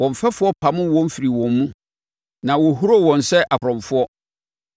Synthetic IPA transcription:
wɔ̃˨ɱ˨fɛ˦fʊ˦ɔ˦pʰa˨mʊ̃˦wɔ̃˦m̩˦fi˨ɾi˨wɔ̃˨mːũ˦ | nã˨wɔ˨ɦu˦ɾo˦wɔ̃˨n˨sɛ˦ʔa˨kʰɾɔ̃˨fʊ˦ɔ˦

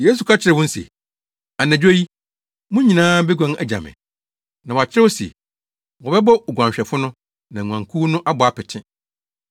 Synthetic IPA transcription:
je˦s̬u˨kʰa˦t͡ɕʰɪ˦ɾɪ˨wʊ̃˦n̩˦sḛ˨ | a˨næ̃˨d͡ʑᶣo˦ji˦ | mʊ̃˦ɲĩ˨nãː˦bɛ˦ɡʷã˦ŋæ˨d͡ʑa̰˨mɪ̰̃˨ | nã˨wa˨t͡ɕʰɪ˦ɾɪ˦wɔ˦sḛ˨ | wɔ˨bɛ˦bɔ˦˨ɡʷã˨ɲɕᶣɛ˨fʊ˦nʊ̃˦ | nã˨ŋʷ˨ã˨ŋkʰu˦nʊ̃˦ʔa˦bɔ˨a˦pʰɪ˨tʰɪ̃˦

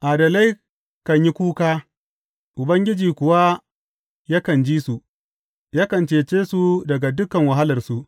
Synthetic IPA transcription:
ʔaː˨dɐ˨la˦j | kɐ˨ɲji˦kʷuː˦kaː˦ | ʔʊ˨bɐ˦ŋɡʲɪ˦d͡ʒiː˨kʷʊ˨wa˦ | ja˦kɐ˨nd͡ʒiː˦su˨ | ja˦kɐ˨nt͡ʃeː˨t͡ʃeː˦su˨dɐ˨ɡa˨dʊ˦kɐ˨ŋwɐ˨ɦa˦lɐ˨rsu˦ʔ

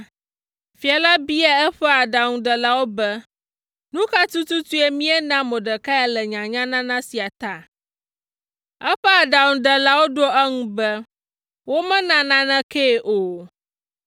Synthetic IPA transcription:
fi˨a˨la˦bi˦a˦ɛ˦ɸɛ˦a˨ɖa˨ŋũ˨ɖɛ˨la˦wo˦bɛ˦ | nũ˦ka˦t̪u˦t̪u˦t̪u˦e˦mĩ˦ɛ˦nã˦mɔ̃˨ɖə˨ka˦a˦lɛ˨ɲã˨ɲã˦nã˦nã˦si˨a˨t̪a˦ | ɛ˦ɸɛ˦a˨ɖa˨ŋũ˨ɖɛ˨la˦wo˦ɖo˦ʔɛ˦ŋũ˦bɛ˦ | wo˦mɛ̃˦nã˨nã˦nɛ̃˦ke˦˨ʔo˨

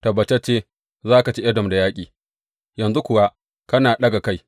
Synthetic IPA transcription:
tɐ˨bɐ˨t͡ʃe˦t͡ʃeː˦ | zaː˦ka˨t͡ʃi˦ʔɐ˦dɔ˨mda˨jaː˦kʲʼiː˨ | jɐ˨nzu˦kʷʊ˨wa˦ | kɐ˦naː˨ɗɐ˦ɡa˨ka˦j

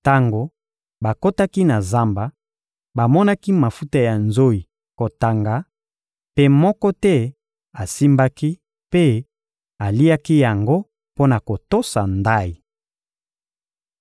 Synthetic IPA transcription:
ta˦ŋɡo˨ | ba˨ko˦ta˦ki˦na˨za˦mba˨ | ba˨mɔ˦na˦ki˦ma˨fu˦ta˦ja˨nzo˦i˨ | ko˨ta˨ŋɡa˨˦ | pe˦mɔ˦kɔ˦tɛ˦ | a˨si˦mba˦ki˦ | pe˦ | a˨li˦a˦ki˦ja˨ŋɡo˦ | po˦na˨ko˨to˦sa˨nda˦i˨

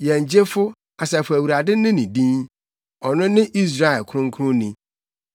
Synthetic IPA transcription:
jɛ̃˨ɲ̩˨d͡ʑe˦fʊ˦ | a˨sɛ˨fʊ˨æ˨wu˨ɾa˨dɪ̃˦nɪ̃˦nĩ˨dĩ˦n | ɔ˨nʊ̃˦nɪ̃˦ʔi˦s̬ɾa˦˨ɛ˨lkʰʊ̃˦ŋ̩˦kʰʊ̃˦nĩ˨

